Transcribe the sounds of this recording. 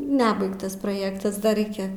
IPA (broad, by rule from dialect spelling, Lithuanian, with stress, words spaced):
ˈnʲæːbɐɪktɐs proːˈjeːktɐs dɐ ˈrʲɛɪkʲɛ